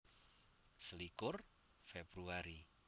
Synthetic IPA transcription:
səlikʊr | febɾuaɾi

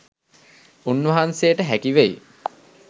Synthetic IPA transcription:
unʋɐɦansejəʈəɦækiʋej

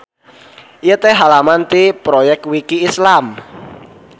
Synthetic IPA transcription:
ʔijət̪eɦalamant̪ipɾojɛk̚t̪̚wikiːslam

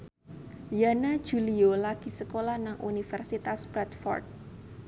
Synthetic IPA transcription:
janḁd͡ʒuliolaɡ̥isəkolahnaŋʔunifɛrsit̪asbɾɛt̪fɔ̰rt̪̚

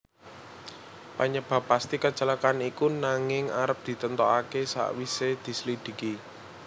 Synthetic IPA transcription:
paɲəb̥ä̤pːast̪ikə̥t͡ʃəlakanikunaŋɪŋaɾəp̚d̪̥i̤t̪ənt̪ɔakesa̰ʔwised̪̥i̤səlid̪̥i̤ki

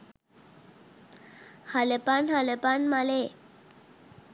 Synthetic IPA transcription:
halepanhalepanmale

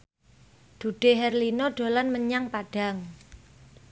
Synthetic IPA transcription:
d̪̥ṳɖ̥e̤ɦɛrlinɔɖ̥o̤lanməɲaŋpaɖ̥a̤ŋ

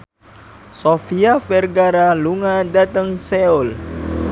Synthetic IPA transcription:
sofiafɛrɡaɾaluŋadat̪əŋsɛul

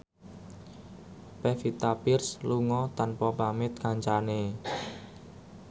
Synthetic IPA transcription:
pɛfit̪apɪrsluŋɔt̪anpɔpamɪt̪̚kaɲt͡ʃane

